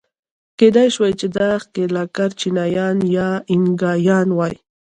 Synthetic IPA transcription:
ked̪ajʃwajt͡ʃed̪aχkelakaɾt͡ʃinɑjɑnjɑɪŋɡɑjɑnwɑj

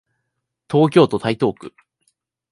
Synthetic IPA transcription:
t̪ʰo̞ːk̬ʲo̞ːt̪o̞t̪ait̪o̞ːkɯ̟

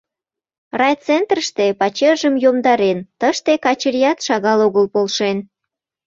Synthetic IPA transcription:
rɑjt͡sent̪rəʃt̪epɑt͡ɕeʒəmjomd̪ɑɾent̪əʃt̪ekɑt͡ɕəɾjɑt̪ʃɑɣɑloɣəlpolʃen

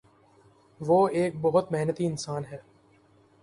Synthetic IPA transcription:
ʋoːeːk̚bɔɦʊt̪meɦnət̪iɪnsaːnɦɛː

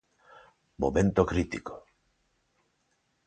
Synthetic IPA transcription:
mo̰mẽnt̪okɾit̪iko̥

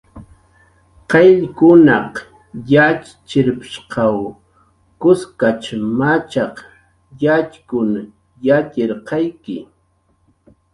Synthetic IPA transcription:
qeʎkʊnɑq | jat͡ʃ | t͡ʃɪɾpɪ̥ʃqɑw | kʊskat͡ʃmat͡ʃɑq | jat͡ʃkʊn | jat͡ʃɪɾqɑjkɪ

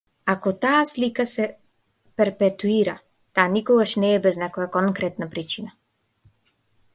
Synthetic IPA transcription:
akɔt̪aːslikasɛ | pɛɾpɛt̪uiɾa | t̪aːnikɔɡaʃnɛːbɛznɛkɔjakɔŋkɾɛt̪napɾit͡ʃina

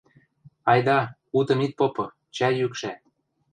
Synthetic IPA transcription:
ɑjd̪ɑ | ut̪ɤ̆mit̪̚popɤ̆ | t͡ɕæjykʃæ

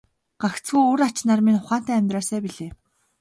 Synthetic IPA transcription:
ɢ̥axt͡sɡujoɾat͡ɕnarminχʊχaːn̥t̪æːmʲt̪rœːsæːpiɮeː

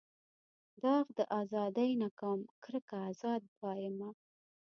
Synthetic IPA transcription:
d̪ɑɣd̪əʔɑzɑd̪ajnakɑmkɾəkaːzɑd̪̚bɑjɪma

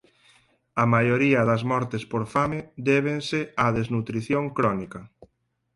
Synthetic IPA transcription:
ɐmajoɾiɐðɐzmɔɾt̪espoɾfamed̪ɛβ̞enseɐðeznut̪ɾiθjoŋkɾɔnikɐ

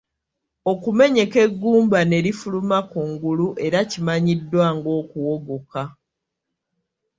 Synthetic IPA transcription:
o̞kume̞ɲe̞ke̞ɡːuːmbane̞ɾifulumakuŋɡuluʔe̞ɾacimaɲidːwaːŋɡo̞ːkuwo̞ɡo̞ka

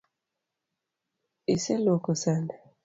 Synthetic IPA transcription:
isɛlokɔsana

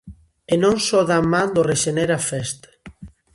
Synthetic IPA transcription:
enõŋsoðamːãnd̪oreʃeneɾafɛst̪

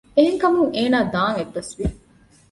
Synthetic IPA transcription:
eɦeŋkɐmuŋeːnaːd̪aːŋeɖːɐsʋi

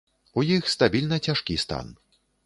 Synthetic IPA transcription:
ujixst̪abʲilʲnɐt͡sʲaʂkʲist̪a̰n

